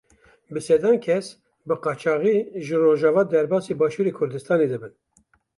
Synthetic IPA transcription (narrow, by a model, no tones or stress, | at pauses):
bɨsɛd̪ɑːnkʰɛs | bɨqɑːt͡ʃʰɑːɣiːʒɨroːʒɑːvɑːd̪ɛɾbɑːseːbɑːʃuːɾeːkʰʊɾd̪ɨst̪ɑːned̪ɨbɨn